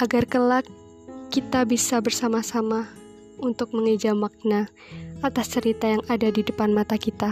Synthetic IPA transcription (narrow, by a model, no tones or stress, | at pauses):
ʔaɡarkəlakː | it̪abisabərsamasama | unt̪ʊk̚məŋəd͡ʒamak̚na | at̪ast͡ʃəɾit̪ajaŋadadidəpanmat̪akit̪a